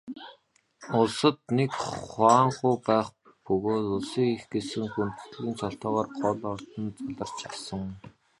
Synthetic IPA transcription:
ʊɮsə̆t̪̚nekχaːɴχʊːpæːχ | pɵɣoːt̪ʊɮsiːŋixɡesɘ̆ŋxunt̪ɵ̥̆t̪̆ɮiːnt͡ɕʰɔɬt̪ɔːʁɔːrɢɔɮɔrt̪ə̆nt͡saɮə̆r̥t͡ɕʰasə̆ŋ

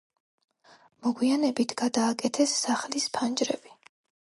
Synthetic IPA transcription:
mɔɡwianɛbit̪ʰɡ̥ad̪aːkʼɛt̪ʰɛsːaχlispʰand͡ʒɾɛb̥i

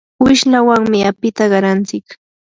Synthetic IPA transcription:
wɪʃlawaŋmɪapɪt̪aɢɑɾant͡sɪk

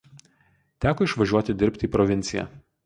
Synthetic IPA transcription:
t̪ʲæːkɔɪʃʋɐʒʲuɔt̪ʲɪd̪ʲɪɾʲpʲt̪ʲiːpɾɔʋʲɪnʲt̪sʲɪjæ̰ː

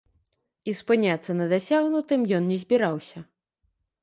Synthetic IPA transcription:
ispɨnʲat̪sːɐnɐd̪asʲaɣnut̪ɨmjɔnnʲɛzʲbʲiɾawsʲɐ

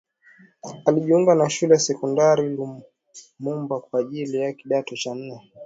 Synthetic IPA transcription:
aliʄiuŋɡanaʃulɛjasɛkɔndaɾili | mumbakwaːʄilijakiɗatɔt͡ʃan̩nɛ

